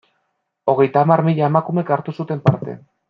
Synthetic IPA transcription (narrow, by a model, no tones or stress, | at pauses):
o̞ɣe̞jt̪aːmaɾmiʎaemakume̞kaɾt̪usut̪e̞mpaɾt̪e̞̰